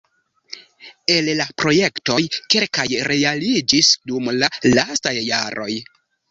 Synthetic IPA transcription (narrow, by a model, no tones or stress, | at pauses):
e̞llapɾo̞je̞kto̞jkelkajɾe̞alid͡ʒisdumlalastajːaɾʔo̞̰j